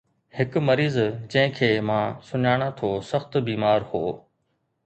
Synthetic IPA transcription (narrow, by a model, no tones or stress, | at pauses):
hɪkmɐɾiːzd͡ʑɐ̃ɦɪ̃kʰeːmãːsʊɲaːɽ̃at̪ʰoːsɐxt̪biːmaːɾhoː